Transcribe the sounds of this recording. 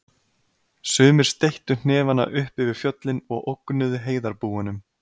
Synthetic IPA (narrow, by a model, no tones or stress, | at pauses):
sʏːmɪɾ̥st̪ejht̪ʏn̥ɛːvanːa̰ʔʏhpɪvɪɾ̥fjœt̪lɪnɔɣʔowkːnʏðʏɦeːjðaɾpuːanʏm